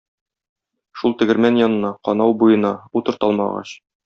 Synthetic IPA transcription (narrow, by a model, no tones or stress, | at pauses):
ʃulˠt̪ɘ̆ɡɘ̆ɾmænjɒnɤ̆nɑqɒnɑwbujɤ̆nɑut̪ɤ̆ɾt̪ɒlˠmɑ̰ʁɑ̰ɕ